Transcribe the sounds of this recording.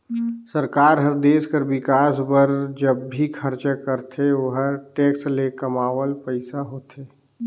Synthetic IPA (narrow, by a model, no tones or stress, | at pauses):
səɾkaːɾɦəɾd̪eːskəɾbɪkaːsbəɾd͡ʒəbːikʰəɾt͡ʃəkəɾt̪ʰeoɦəɾʈeːkslekəmaːʋəlpəɪsaɦoːt̪ʰeː